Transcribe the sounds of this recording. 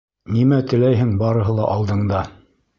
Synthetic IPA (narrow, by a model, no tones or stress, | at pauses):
nimæt̪ɘ̆læjɦɘŋbɑɾɤ̆ɦɤ̆lˠɑʔɑlˠd̪ɤ̆ɴd̪ɑ